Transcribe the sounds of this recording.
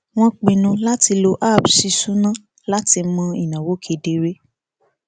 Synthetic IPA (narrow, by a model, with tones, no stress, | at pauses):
w̃ɔ̃˦k͡pĩ˨nũ˧la˦ti˧lo˧ʔa˦˨bsi˧˦su˦nã˦ | la˦ti˧mɔ̃˧i˨nã˨wo˨˦kʰe˨˧de˧ɾe˦